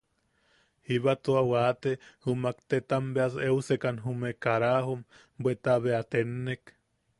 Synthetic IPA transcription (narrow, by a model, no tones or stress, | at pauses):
hiβat̪uawaːt̪ehumakt̪et̪ambeaseusekanɦumekaɾahum | bwet̪aβeat̪enːek